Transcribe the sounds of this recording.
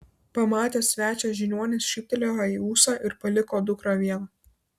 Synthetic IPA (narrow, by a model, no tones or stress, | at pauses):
pɐmɑːt̪ʲeːsʲʋʲæːt͡ʃʲɛːʒʲɪnʲuɔnʲesʃʲiːp̚ʲt̪ʲɛlʲoɑiːuːsɑːʔɪɾpɐlʲɪkoːd̪ʊkɾɐːʋʲiɛnɐ